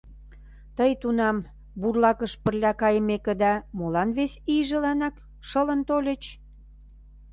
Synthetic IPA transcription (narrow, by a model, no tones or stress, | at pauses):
t̪əjt̪unɑm | burlɑkəʃpə̆rlʲækɑjəmekĕd̪ɑmolɑnβesiʒə̆lɑnɑk | ʃə̆lə̆nt̪olʲə̆t͡ɕ